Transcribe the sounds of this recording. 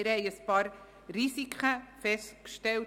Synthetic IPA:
ɪɾhɛɪəspɑːɾ | ɾisikʰχəfɛstkʃtɛl

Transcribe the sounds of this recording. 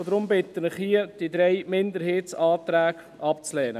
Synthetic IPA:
d̪ɾʊmbɪt̪ːənɪχhiəd̥id̪ɾɛjmɪnd̪əɾheːtsɑːt̪ɾæːɡ | ɑp̚t͡slɛːnə

